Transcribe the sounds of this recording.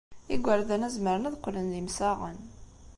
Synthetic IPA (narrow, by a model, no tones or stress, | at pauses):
iɡʷəɾðænæzməɾənæðqːlənðimsæʁə̰n